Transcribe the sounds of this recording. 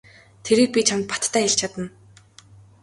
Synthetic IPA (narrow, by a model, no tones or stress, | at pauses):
t̪ʰeɾiːk̚pʲit͡ɕʰamt̪̚pḁt̪ːʰæːxeɬt͡ɕʰat̪ə̆n